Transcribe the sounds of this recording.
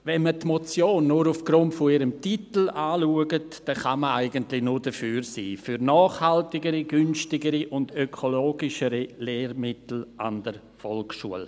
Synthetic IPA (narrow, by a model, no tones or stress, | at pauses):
vɛnmətmot͡sjoːnːuɾufɡ̥ɾʊntfɔɪɾəmtitl̩aːluəɡətd̥ɛχaməaɪɡəntlɪnʊːɾdəfyːɾsḭːfyɾnɔːχhaltɪɡəɾiɡʏnstɪɡəɾiʔʊndøkʰoloːɡɪʃəɾileːɾmɪtl̩ʔa̰nd̥əɾ | fɔlkʃṵəl